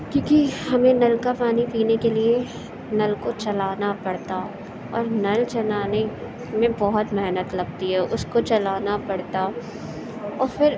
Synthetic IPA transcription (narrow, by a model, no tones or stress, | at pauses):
kjõːkihɐmẽnɐlkapaːnipiːnekelie | nɐlkot͡ʃɐlaːnapɐɽt̪a | ɔ̰ːɾnɐlt͡ʃɐnaːne | mẽbɐɦʊt̪mɛɦnət̪lɐɡ̚t̪iɦɛʔʊskot͡ʃɐlaːnapɐɽt̪a | ɔːɾfɪɾ